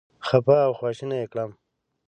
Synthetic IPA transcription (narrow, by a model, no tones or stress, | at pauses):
xapaːwxwaːʃinajekɽam